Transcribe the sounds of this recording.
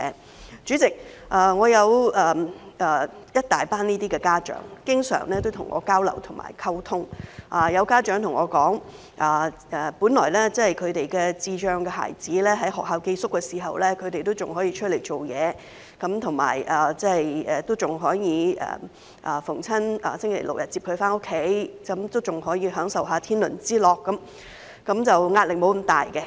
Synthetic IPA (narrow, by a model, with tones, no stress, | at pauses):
ɛ˨ | t͡ʃy˨˥t͡sɪ˨k̚ʔaː˨ŋɔː˨˧jɐ˨˧wɐː˨ʔɐː˨˩jɐ˥t̚t̪aː˨˩jpaː˥niː˥t̪iː˥kɛː˧kaː˥t͡ʃœ̰ː˨˥ŋkɪ˥ŋsœ̰ː˨˩ŋlɛː˥t̪o˥wt̪ʰʊ˨˩ŋʔɔ̰ː˨˧kaː˥wlɐ̰˨˩wt̪ʰʊ˨˩ma̰ː˨˩jkʰɐ˥wt̪ʰʊ˥ŋʔaː˨jɐ˨˧wkaː˥t͡ʃœː˨˥ŋt̪ʰʊ˨˩ŋɔː˨˧kɔː˨˥ŋ | ʔaː˨ | ɛː˨˩puː˨˥nlɔː˨˩jlɛː˥t͡sɐ˥hjkʰɵ˨˧ɥt̪e˨jkɛː˧t͡siː˨˧t͡ʃœː˨˧ŋkɛː˧ɦa̰ː˨˩jt͡siː˨˥lɛː˥ɦɐ˨˥jɦɔː˨k̚ɦaː˧wke˧jsʊ˥kːɛː˧siː˨˩ɦɐ̰˨wlɛː˥kʰɵ˨˧ɥt̪e˨jt̪o˥wt͡sʊ˨ŋɦɔː˨˥jiː˧t͡ʃʰɵ˥t̚le˨˩jt͡ʃo˨wjɛː˨˧ | kɐ˨˥mt̪ʰʊ˨˩ŋma̰ː˨˩jʔaː˨˩t͡sɐ˥hɐ˨jɛ˨t̪o˥wt͡sʊ˨˩ŋɦɔː˨˥jiː˨˧ʔɛ̰ː˨˩ | ʔɐː˨fʊ˨˩ŋt͡sʰɐ˥naː˨sɪ˥ŋkʰe˨˩jlʊ˨k̚jɐ˨t̚t͡siː˧p̚hɵ˧ɥfaː˥nʊ˥kʰːe˨˥jkɐ˨˦mt̪o˥wt͡sʊ˨ŋhɔː˨˥jiː˧ɦœː˨˥ŋsɐ˨wɦaː˨˧˥t̪ʰiː˥nlɵ˨˩nt͡siː˥lɔː˨k̚ːɐ˨˥m | kɐ˨˥mt͡sɐ˨wŋaː˧t̚lɪ˨k̚mo˨˥wkmt̪aː˨jkɛ˧